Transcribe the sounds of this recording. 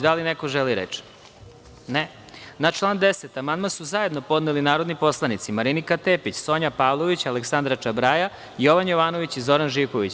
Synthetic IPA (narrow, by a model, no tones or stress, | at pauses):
d̪alinekoʒeliɾḛt͡ʃ | ne | nat͡ʃlˠaːnd̪eset̪amand̪masuzaje̞d̪no̞po̞d̪nelinaːɾod̪nipo̞slˠanit̪simaɾinikat̪eːpit͡ɕso̞ɲapaːʋlˠoʋit͡ɕaleksand̪ɾat͡ʃabɾaːja | ijo̞ʋanjoʋaːnoʋit͡ɕizo̞ɾanʒikoʋit͡ɕ